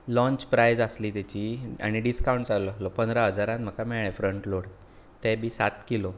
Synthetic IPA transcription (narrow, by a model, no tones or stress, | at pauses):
lɔ̃ɲt͡ɕpɾajd͡zəsliːt̪at͡ɕiːa̰ɽ̃iɖiskawɳʈsalɔlɔpənd̪ʱɾaɦəd͡zaɾãt̪m̤əkamɛɭɭɛ̃fɾəɳʈloɽ | t̪ɛbʱiːsa̰t̪kilo